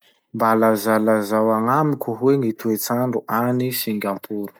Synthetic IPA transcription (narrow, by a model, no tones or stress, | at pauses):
mbalazalazawaŋamikʲuɦweŋit̪uet͡saɳɖ͡ʐuʔanisiŋɡʲampʰuɾu̥